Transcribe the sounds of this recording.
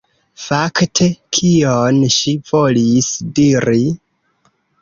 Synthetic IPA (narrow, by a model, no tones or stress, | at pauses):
faktʰe̞kʰionʃivo̞lisdiɾi